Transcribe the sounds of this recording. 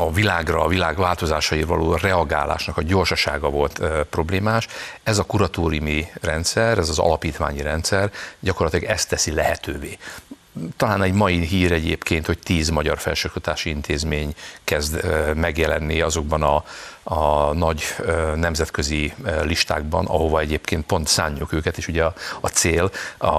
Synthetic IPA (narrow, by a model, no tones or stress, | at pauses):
ɒvilaːɡrɒːvilaːɡvaːlt̪o̞zaːʃɒiɾvɒ̰lʔoːrɛɒɡa̰ːla̰ːʃnɒkɒɟo̞rʃɒʃa̰ːɡɒvo̞lt̪ːpro̞bleːmaːʃɛzɒkuɾɒt̪oːɾijumirɛnt̪sɛrɛzɒzɒ̰lɒpiːt̪ʋa̰ːɲiɾɛnt̪sɛrɟɒko̞rlːɒt̪ilɒɡɛst̪ːɛsilɛhɛt̪øːveː | t̪ɒlaːnɛɟmɒjiɦiːɾɛɟeːpkeːnt̪ho̞ct̪iːzmɒɟɒrfɛ̰lʃokt̪ɔt̪aːʃiint̪ʰeːzmeːɲkɛzd̪mɛɡjɛlɛnːiɒzo̞ɡ̚bɒnɒɒnɒɟønɛmzɛt̪køziliʃt̪a̰ːɡ̚bɒ̰nʔɒ̰ɦo̞vɒɛɟeːpkeːnt̪̚po̞nt̪sa̰ːɲːukøːkɛt̪eːʃuɟɛɒɒt̪seːlɒ